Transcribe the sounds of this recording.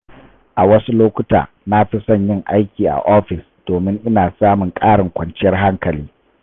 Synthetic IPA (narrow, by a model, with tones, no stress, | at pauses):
ʔa˨wɐ˦su˦loː˦kʷʊ˦ta̰ː˨ | na˦ɸi˦sɐ˦˨ɲjɪ˦˨ŋʔa˦jkʲiː˨ʔa̰˨ʔɔː˦ɸɪ˨s | d̥oː˨mɪ˦ŋʔɪ˦naː˨saː˦mʊ˨ŋkʼaː˦ɽɪ˨ŋkʷɐ˨nt͡ʃɪ˦jɐ˦rɦa˦ŋkɐ˨liː˦